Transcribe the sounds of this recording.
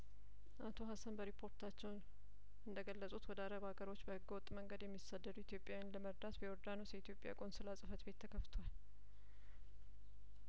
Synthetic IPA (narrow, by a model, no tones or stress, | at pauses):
ʔat̪ʰo̞ɦasənbəɾipʰo̞ɾt̪ʰat͡ʃːɛwn | ɨnd̪əɡəlːəsʼut̪wɔd̪əaɾəβaɡəɾo̞t͡ʃːbəhɨɡːwɔt̪ʼːməŋɡəd̪jɛmːisːad̪ːəd̪uit̪ʰjo̞pʼjawnləməɾd̪at̪biwɔɾd̪anusjɛit̪ʰjo̞pʼja̰kʼo̞nsɨlasʼɨfət̪be̞t̪ʰːəkʰəft̪ʰwal